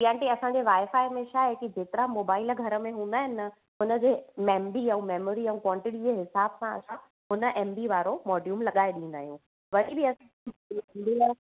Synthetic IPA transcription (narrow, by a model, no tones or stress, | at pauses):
ijãʈiɐsãɲd͡ʑeʋaːɪfaːɪmẽʃaːɦekid͡ʑeːt̪ɪɾamoːbaːɪlɡʱɐɾəmẽɦũːnd̪aːɦɪnɪnɐ | ʊnə̆d͡ʑeːmeːmbiɛ̃meːmoːɾiɛ̃ũkwɔ̃ːɳʈɪʈid͡ʑeɦɪsaːbsãɐ̰sã | ɦʊnə̆ʔɛːmbiʋaːɾomɔːɖijuːmlɐɠaːeɗĩːn̆d̪a̰ːɦijũ | ʋɐɽibiɐsã | mbia